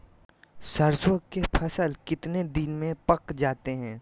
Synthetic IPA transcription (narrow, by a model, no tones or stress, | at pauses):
sɐɾsəɡkepʰɐsəlkɪt̪ned̪ɪnmẽpɐkd͡ʒaːt̪eɦɛ̃ː